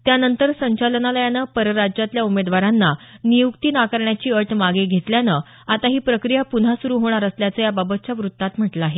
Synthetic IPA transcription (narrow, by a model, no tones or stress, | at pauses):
t̪janənt̪əɾsəɲt͡ɕalənaləjanəpəɾəɾad͡ʑjat̪ljaumed̪ʋaɾanːanijukt̪iːnakəɾɳjat͡ɕiːəʈʰmaɡeɡʱet̪ljanə | at̪aɦiːpɾəkɾijapun̤asuɾuːɦoɽ̃aɾəsljat͡səːjababət̪̚t͡ɕjaʋɾut̪ːat̪m̤əʈlaːɦe